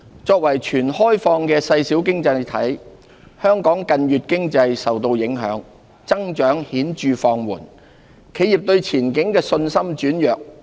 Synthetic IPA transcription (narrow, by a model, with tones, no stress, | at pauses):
t͡sɔː˧k̚wɐ˨˩jt͡ʃʰyː˨˩nhɔː˥jfɔː˧ŋkɛː˧sɐ˧jsiː˨˥wk̬ɪ˥ŋt͡sɐ˧jt̪ʰɐ̰˨˥j | hœː˥ŋkɔː˨˥ŋkɐ˧njyː˨t̚kɪ˥ŋt͡sɐ˧jsɐ˨wt̪o˧wjɪ˨˥ŋɦœ̰ː˨˥ŋ | t͡sɐ˥ŋt͡ʃœː˨˥ŋhiː˨˥nt͡ʃyː˨fɔː˧ŋwuː˨˩n | kʰe˨˥ji˨˩p̚t̪ɵ˧ɥt͡sʰiː˨˩nkɪ˨˥ŋkɛː˧sɵ˧nsɐ˥mt͡ʃyː˨˥njœː˨k̚